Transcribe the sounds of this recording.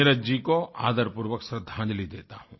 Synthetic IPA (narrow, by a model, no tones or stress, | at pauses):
ɪɾəd͡ʒikoa̰ːd̪əɾpuɾʋəksɾəd̪ʱːãːnd͡ʒlid̪ḛːt̪aɦũː